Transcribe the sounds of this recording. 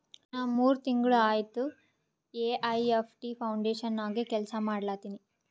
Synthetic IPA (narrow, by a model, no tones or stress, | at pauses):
naːʋmuːɾut̪iŋɡɐɭuaːjt̪u | eːʔɐjepʰʈipʰɐwɳɖeːʂɐnːaːɡekɛlsɐmaːɽlaːt̪iːni